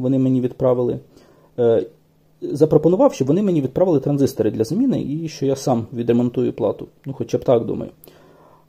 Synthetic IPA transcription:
ʋɔnɪmenʲiʋʲid̪pɾɑʋɪlˠɪ̰ | zɐpɾɔpɔnʊʋɑwʃt͡ʃɔbʋɔnɪmenʲiʋʲid̪̚pɾɑʋɪlˠɪt̪ɾɐnzɪst̪ɔɾɪd̪lʲɐzɐmʲinɪ̰ʔiʃt͡ʃɔjasɑmʋʲid̪ɾemɔnt̪ujʊplˠɑ̰t̪ʊnuxɔt͡ʃɑbt̪ɑkd̪ṵmɐ̰jʊ

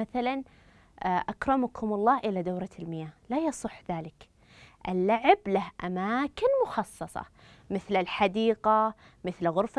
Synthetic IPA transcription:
aθalan | ʔakɾˤɑmakʰʊmɑlˤːɑːʔɪlad̪awɾˤɑlmɪjaːlajɑsˤɨħːðaːlɪk | ʔɪlːaʕɪblahʔa̰maːkɪnmʊxɑsˤːɑsˤɑ̰ | mɪθlɪlħad̪iːqa | mɪθlɣʊɾf

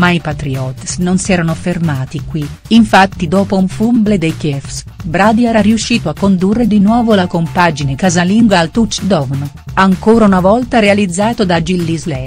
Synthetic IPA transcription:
maipat̪ɾiɔt̪snonsiɛːɾanofermaːt̪ikwiːɱfat̪ːid̪ɔːpouɱfumbled̪ejkɛfs | bɾad̪iɛːɾariuʃːiːt̪oakːond̪urːed̪inwɔːvolakompad͡ʒinekazaliŋɡwaːlt̪ut͡ʃd̪ɔvn | aŋkoːɾaunavɔlt̪aɾealid̪zːaːt̪od̪ad͡ʒilːizlɛ

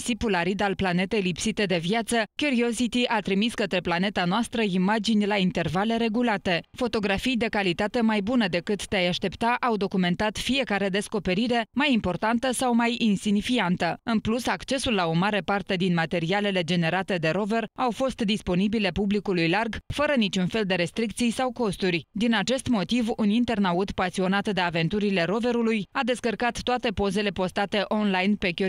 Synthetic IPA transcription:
sipulaɾid̪alplane̞t̪e̞jlipsit̪e̞d̪e̞viat̪səkʲjuɾio̞sit̪iʔat̪ɾimiskət̪ɾe̞plane̞t̪anoast̪ɾəimad͡ʒinʲlaint̪e̞rvale̞ɾe̞ɡulat̪e̞fo̞t̪o̞ɡɾafijd̪e̞kalit̪at̪e̞majbunəd̪e̞kɨt̪ːeajaʃt̪e̞pt̪aʔawd̪o̞kume̞nt̪at̪fije̞kaɾe̞d̪e̞sko̞pe̞ɾiɾe̞majimpo̞rt̪ant̪əsawmajinsinifiant̪əɨnplusakt͡ʃe̞sulːao̞maɾe̞part̪e̞d̪inmat̪e̞ɾiale̞le̞d͡ʒe̞ne̞ɾat̪e̞d̪e̞ɾo̞ve̞rawfo̞st̪d̪ispo̞nibile̞publikulujlarɡfəɾənit͡ʃunfe̞ld̪e̞ɾe̞st̪ɾik̚t̪sijsawko̞st̪urʲd̪inat͡ʃe̞st̪mo̞t̪ivunint̪e̞rnaut̪pasio̞nat̪d̪e̞ave̞nt̪uɾile̞ɾo̞ve̞ɾulujad̪e̞skərkat̪ːoat̪e̞po̞ze̞le̞po̞st̪at̪e̞ʔo̞nlajnpe̞kʲo

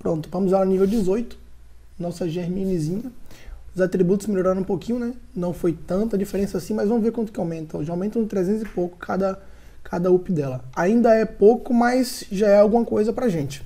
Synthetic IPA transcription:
pɾõnt̪ʊ̥vɐ̃mʊzɛlanivewd͡ʒɪzojt̪ʊ̥ | nɔsɐʒeɾmĩnizĩɲɐʊzat̪ɾibut̪ʊsmeʎoɾaɾõũpokĩɲʊnɛnɐ̃w̃fojt̪ɐ̃nt̪ʊɐd͡ʒifeɾẽsɐasĩmɐzvɐ̃mʊzveɾkwɐ̃nt̪ʊ̥kɪawmẽnt̪ɐ̃w̃ʒaawmẽt̪ɐ̃w̃t̪ɾezẽt̪ʊzɪpokʊ̥kʰad̪ɐ | kʰad̪ɐupɪd̪ɛlɐaĩnd̪ɐɛpowkʊmɐjsʒaɛawɡũmɐkojzɐpɾɐʒẽnt͡ʃɪ̥

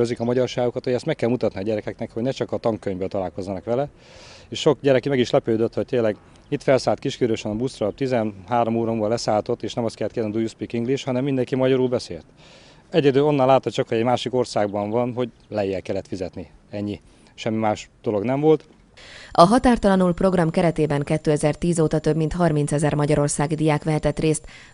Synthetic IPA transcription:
øzikɒmɒɟɒrʃaːɡukɒt̪hoɟɛst̪mɛkːɛlmut̪ɒt̪niɒɟɛɾɛkɛknɛkho̞ɟnɛt͡ʃɒkɒt̪ɒŋkːøɲvøːlt̪ɒlaːlko̞zːɒnɒkʋɛlɛ | eːʃʃo̞kɟɛɾɛkimɛɡiʃlɛpøːd̪øt̪ho̞c̚t̪eːnlːɛɡ | it̪fɛlsaːlt̪kiʃkyɾøʃɛnɒbust̪rɒp̚t̪izɛnhaːɾo̞moːɾombɒlɛsaːlt̪o̞t̪ːeːʃnɛmɒst̪kɛlːɛt̪keːrniid̪ujuspikiŋɡliʃhɒnɛmːind̪ɛŋkimɒɟɒɾuːlbɛsḛːlt̪ | ɛɟɛd̪øːo̞nːɒlːaːt̪ːot̪t͡ʃɒkho̞ɟɛɟmaːʃiko̞rsaːɡbɒɱvɒnɦo̞ɟ | lɛjːɛlkɛlːɛt̪fizɛt̪ni | ɛɲːi | ʃɛmːimaːʃd̪̥o̞lo̞ɡnɛɱvo̞lt̪ | ʔɒɦɒt̪aːrt̪ɒlɒnulpro̞ɡrɒmkɛɾɛt̪eːbɛŋkɛt̪ːøːɛzɛrt̪iːzoːt̪ɒt̪ø̞bmint̪hɒrmintsɛzɛrmɒɟɒɾo̞rsaːɡid̪ijaːkʋɛɦɛt̪ɛt̪reːst̪

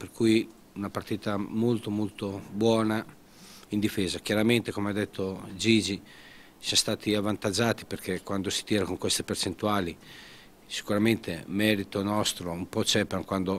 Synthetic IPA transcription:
perkuj | unapart̪iːt̪amolt̪omolt̪obwɔːna | ind̪ifɛːzak̟jaɾament̪ekomead̪ːet̪ʰːod͡ʒiːd͡ʒi | sjãst̪aːt̪ʰiavːant̪ad͡ʒaːt̪i̥perkekːwand̪osi̥t̪iːɾakoŋkwest̪e̥pert͡ʃent̪uaːli | si̥kuɾament̪emɛːɾit̪onɔst̪ɾoumpɔt͡ʃɛpeɾŋkwand̪o

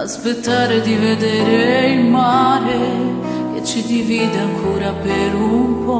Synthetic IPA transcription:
aspet̪ːaɾed̪ived̪ɛːɾeilmaɾe | et͡ʃid̪iviːd̪eaŋkʰoːɾapeɾumpɔ

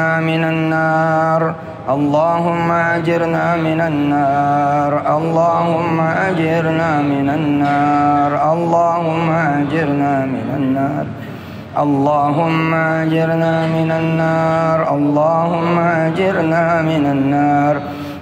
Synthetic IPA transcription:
aːmɪnanːaːɾ | ʔɑlˤːɑːɦʊmːaʕad͡ʒɪɾnaːmɪnanːaaː | ɾˤʔɑlˤːɑːhʊmmːaʔad͡ʒɪɾnaːmɪnanːaːɾˤʔɑlˤːɑːhʊmːaʕad͡ʒɪɾnaːmɪnanːaːɾˤ | ʔɑlˤːɑːɦʊmːaʕad͡ʒɪɾnaːmɪnanːaːɾˤʔɑlˤːɑːhʊmːaʔad͡ʒɪɾnaːmɪnanːaːɾˤ

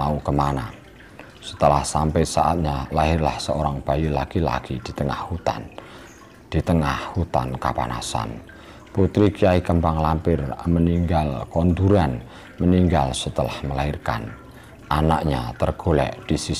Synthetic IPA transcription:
aukəmanan | sə̥t̪əlahsampɛsaʔa̰t̪̚ɲalaɦɪrlahsəoɾaŋb̥ajulaɡ̥ila̰ɡ̥id̪̥i̤t̪əŋa̰hhut̪a̰n | d̪̥i̤t̪əŋahhut̪ankapa̰na̰sa̰n | put̪ɾikiaikəmpaŋlampɪrməniŋɡalkond̪uɾan | məniŋɡalsət̪əlahməlairka̰n | ʔanaʔɲat̪ərɡ̥o̤lɛ̰ʔd̪̥isi

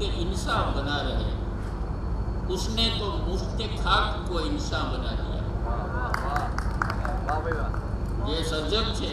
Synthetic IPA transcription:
eʔɪnsaːnbənaɾɐɦe | ʊsnẽt̪omʊst̪ekʰaːkkoɪnsaːnbənad̪ḭja̰ː | d͡ʒeːsəɾd͡ʒəɡt͡ʃʰe

